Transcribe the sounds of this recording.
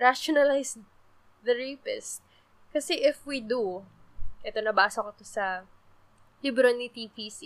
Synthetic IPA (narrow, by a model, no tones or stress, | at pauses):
ɹaʃonɐlajs | d̪ɐɹeːpɛs | kɐsɛʔɪfwid̪u | ʔɛt̪o̞nɐbaːsokot̪osɐ | libɾonit̪ipisi